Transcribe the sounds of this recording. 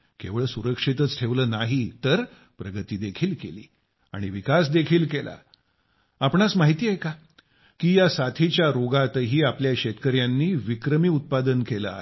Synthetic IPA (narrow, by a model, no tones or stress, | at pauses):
keʋɭəːsuɾəkʂit̪ət͡sʈʰeʋləːnaɦit̪əɾ | pɾəɡət̪iːd̪ekʰiːlkḛlḭː | a̰ɽ̃iʋikas̬d̪ekʰiːlkela̰ | apɳasmaɦit̪iːejka | kiːjasat̪ʰit͡ɕjaɾoɡat̪əɦiːapljaɕet̪kəɾjanːiːʋikɾəmiːut̪̚pad̪ənkelə̰a̰